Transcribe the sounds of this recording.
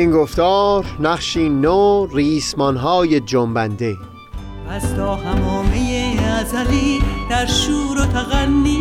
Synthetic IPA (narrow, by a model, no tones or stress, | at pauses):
iːnɡoft̪ɒːɾnæχʃiːnoriːsmɒnɦɒːjed͡ʒombænd̪e | ʔæzt̪ɒːhæmɔːmejeæzæɾiːd̪̥æɾʃuːɾot̪ʰæɣænːiː